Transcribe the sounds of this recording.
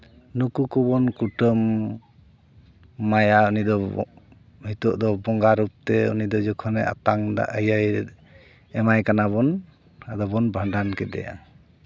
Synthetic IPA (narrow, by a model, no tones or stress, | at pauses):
nukukubɔnkuʈəm | ajaunid̪ɔ | hit̪ɔʔd̪ɔbɔŋɡaɾup̚t̪ɛṵnid̪ɔd͡ʒɔkʰɔnɛa̰t̪aŋd̪a̰ʔəjaj | ɛmajkanaβɔn | ad̪ɔbɔnbʱəndʱankɛd̪ɛ̰ja̰